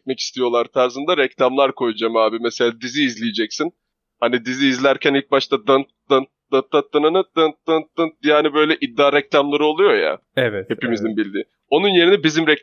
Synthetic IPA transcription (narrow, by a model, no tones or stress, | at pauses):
mɛci̥st̪ʰijo̞lˠaɾt̪ʰaɾzɯnd̪aɾɛclʲamlˠaɾkʰo̞jud͡ʒamaːbimese̞lʲaːd̪iziːzlʲijed͡ʒɛcsin | hanid̪iziːzlʲæɾcʰænilʲc̚baʃt̪ʰad̪ant̪ | d̪̥an | d̪̥at̪ʰːat̪ʰːɯnɯnɯd̪ɯnt̪ːant̪ːɯnd̪ianibø̞jlʲɛʔid̪ːaːɾɛclʲamlˠaɾɯo̞lˠujo̞ja̰ | ɛvɛhe̞pimizimbilʲd̪i | o̞nunje̞ɾinɛbizimɾɛc